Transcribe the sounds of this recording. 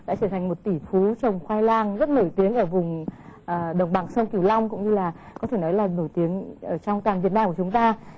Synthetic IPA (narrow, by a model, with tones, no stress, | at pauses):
ɗa̰ː˧˥t͡ɕəː˧˩t̪ʰa˨˩ŋ̟mo˨˩t̚t̪i˧˩fu˨˦t͡ɕə˨˩wŋ͡mxwaː˧jlaː˧ŋzə˦˥t̚no˧˩jt̪i˨˦əŋʔəː˧˩vʊ˨˩ŋ͡mʔəː˨˩ɗə˨˩wŋ͡mɓa˨˩ŋsə˧wŋ͡mki˧˩wla˧wŋ͡mkʊ̰˧˥ŋ͡mɲɨ˧laː˨˩ | kɔ˨˦t̪ʰe˧˩nɔ˨˦jlaː˨˩no˧˩jt̪i˨˦əŋʔəː˧˩t͡ɕɔ˧wŋ͡mt̪waː˨˩nvi˨˩ənaː˧mkt͡ɕʊ˨˦ŋ͡mt̪aː˧